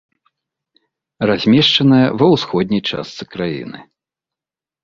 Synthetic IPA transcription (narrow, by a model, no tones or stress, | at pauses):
razʲmʲɛʂt͡ʂɐnɐjɐvɐwsxɔd̪̚ʲnʲɐjt͡ʂa̰st̪sɨkɾajḭnɨ̰